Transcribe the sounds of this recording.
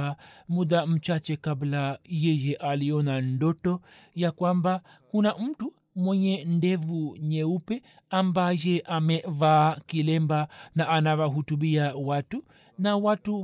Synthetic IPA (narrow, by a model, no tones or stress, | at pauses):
amuɗam̩t͡ʃat͡ʃɛkablajɛjɛʔaliɔnandɔtɔ | jakwamba | kunam̩tu | mwɛɲɛndɛvuɲɛupɛ | ambajɛʔamɛvakilɛmbanaʔːnawaɦutuɓiawatu | nawatu